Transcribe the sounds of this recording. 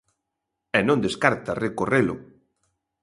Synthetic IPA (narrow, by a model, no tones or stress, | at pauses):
ɛnõnd̪eskaɾt̪arekorelʊ̰